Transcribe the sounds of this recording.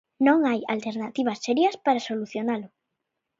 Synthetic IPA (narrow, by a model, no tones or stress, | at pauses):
nõŋaja̰lt̪eɾnat̪iβ̞asːeɾjɐspaɾasoluθjonalʊ